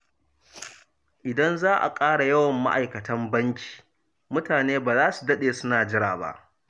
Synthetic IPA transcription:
ʔɪ˨dɐ˦nzaː˦ʔa̰˨kʼaː˦ɽa˨jɐ˦wɐ˨mːa̰˦ʔa˨jkɐ˨tɐ˦mbɐ˦ŋkʲi̥ː˨ | mʊ˦taː˨neː˦baː˨zaː˦su˨dɐ˦ɗeː˨sʊ˦naː˨d͡ʒɪ˦ɽaː˨ba̰˦ʔ

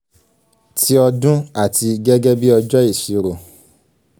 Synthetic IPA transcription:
ti˦ɔ˧dũ˦a˦˨ti˧ɡɛ˦ɡɛ˦bi˦ɔ˧d͡ʒɔ˦i˦˨ʃi˨ɾo˨

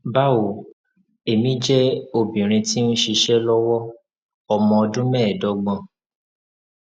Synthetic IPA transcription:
ba˦o˨ | e˨mĩ˦d͡ʒɛ˦o˧bĩ˨ɾ̃ĩ˧ti˦nũ˦ʃi˧ʃɛ˦lɔ˦wɔ˦ | ɔ˧mɔ̃˧ɔ˧dũ˦mɛ̃ː˦˨dɔ˨˦ɡ͡bã˧

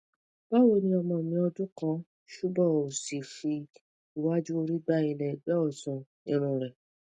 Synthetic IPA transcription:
b̥a˦wo˦˧˨nĩ˧˦ɔ˧mɔ̃˧˨mĩ˧ɔ˧dũ˦kɔ̃˦ | ʃu˦bɔ̃˦˨o˨si˨fi˧ | i˨wa˦d͡ʒu˦o˧ɾi˦ɡ͡ba˦i˧lɛ˨ɡ͡bɛ˦ɔ˦˨sũ˨nĩ˧ɾ̃ũ˨ɾɛ˨

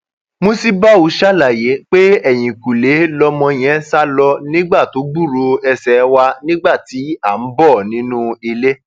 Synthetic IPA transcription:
mo˧si˦ba˦u˧˦ʃa˦˨la˨je˨˦k͡pe˦ɛ˦˨j̃ĩ˨ku˨le˨˦lɔ˧mɔ̃˧j̃ɛ̃˦sa˦lɔ˧nĩ˦ɡ͡ba˦˨to˨˦ɡ͡bu˦˨ɾo˧ɛ˧sɛ˨˦wa˧nĩ˦ɡ͡ba˦˨ti˨˦a˦˨m̩˦bɔ˦˨nĩ˨˦nũ˦i˧le˦

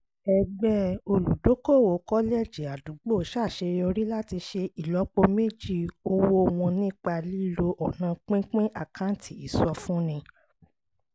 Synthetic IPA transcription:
ɛ˧ɡ͡bɛ˦o˧lu˨do˨˦ko˦˨wo˨˦kɔ˦lɛ˦˨d͡ʒi˨a˨du˨˦ɡ͡bo˦˨ʃa˦˨ʃe˧jo˧ɾi˦la˦ti˧ʃe˧i˨lɔ˨˦k͡po˧me˦˨d͡ʒi˦˨o˧wo˧w̃ɔ̃˧nĩ˦k͡pa˧li˦lo˧ʔɔ˨nã˧˦k͡pĩ˦k͡pĩ˦ʔa˦˨kʰã˦n˦tʰi˨i˨sɔ˧˦fũ˦nĩ˧

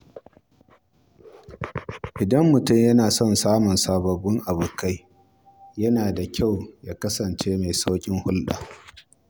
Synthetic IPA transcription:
ʔɪ˨dɐ˦mːʊ˨tʊ˦˨mjɐ˦naː˨sɔ˦˨nsaː˦mʊ˨nsaː˨bɐ˨bʊ˦ŋʔa˨bʊ˨ka˦j | jɐ˦naː˨da˨kʲa˦˨wjaː˦kɐ˦sɐ˨nt͡ʃeː˦ma˨jsa˦kʲʼɪ˦ŋhʊ˦lɗa̰ː˨

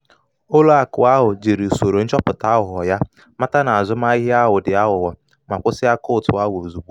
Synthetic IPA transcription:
o˦lo˦a˨kʊ˨a˦ɦʊ˨d͡ʒe˨ɾe˨so˨ɾo˨n̩˦t͡ʃɔ˦pʊ˨ta˨˦ʊ˨ɦʊ˨ɔ˨ja˦ | ma˦ta˦na˨a˨zʊ˦ma˦i˦ɦɪ˦a˦ɦʊ˨dɪ˨a˦ɦʊ˨wɔ˨ | ma˨kʷʊ˦sɪ˦a˦kʊ˦ʊ˨tʊ˨a˦wo˨zu˨ɡ͡bu˦

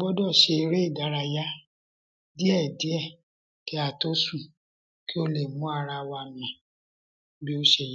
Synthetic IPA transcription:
bɔ˦dɔ˦˨ʃe˧ɾe˦i˦˨da˨˦ɾa˧ja˦ | di˦ɛ˦˨di˨˦ɛ˦˨ | kɛ˨˦a˨to˦su˦˨ | ki˦o˧le˨mũ˨˦a˧ɾa˧wa˧nĩ˨ | bi˦o˦ʃe˧j

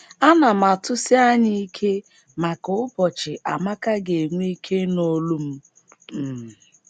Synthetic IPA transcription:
a˦na˨ma˨tʊ˦sɪ˦a˦ɲi˦kʰe˦ | ma˨kʊ˨ʊ˦pɔ˨t͡ʃɪ˨ʔa˨ma˦ka˦ɡe˨ŋʷ˦i˦kʰe˦no˦lu˦m̩˦˨

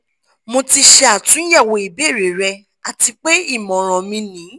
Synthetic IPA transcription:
mo˧ti˧ʃɛ˧a˨tũ˨˦jɛ˦˨wo˧˨i˨be˨˦˨ɾe˨ɾɛ˧ | a˨ti˧k͡pe˦i˦˨mɔ̃˨ɾ̃ɔ̃˨mĩ˧nĩ˨˦

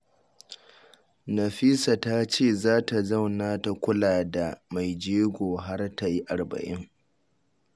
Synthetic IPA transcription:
nɐ˨ɸi˦sa˨ta˦t͡ʃeː˦˨zaː˦ta˨za˦˨wnaː˦ta˨kʷʊ˦laː˨da˨ma˨jd͡ʒeː˦ɡʷoː˨ɦa˦rta˨ji˦ʔa˨rbɐ̰˨ʔɪ˦ŋ

